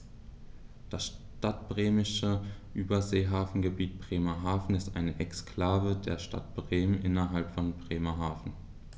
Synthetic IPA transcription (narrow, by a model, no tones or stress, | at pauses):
d̥asʃ | tat̚b̥ʁeːmɪʃəʔyːbɐzeːɦaːfn̩ɡəbiːt̚b̥ʁ̥eːmɐɦaːfn̩ɪstʔa̰ɪnəʔɛkskʰl̥aːvədeːɐʃta̰tb̥ʁeːmənʔɪnɐɦalpfɔnbʁeːmɐɦaːfn̩